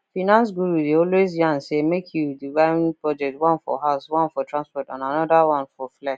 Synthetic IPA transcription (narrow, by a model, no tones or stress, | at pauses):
finãns̬ɡuɾudeɔlwezjãnsemekʰjudivãnpɹɔd͡ʒɛk̚twɔ̃nfɔ̰ɦaʊswãnfɔtʰɹãnspɔtã̰nanɔdawãnfɔflɛk